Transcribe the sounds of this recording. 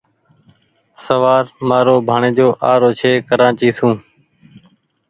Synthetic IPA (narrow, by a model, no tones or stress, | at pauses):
səʋaːɾmaːɾoːbʱaːɳẽːd͡ʒoːʔaːɾoːt͡ʃʰeːkəɾãːt͡ʃiːsũː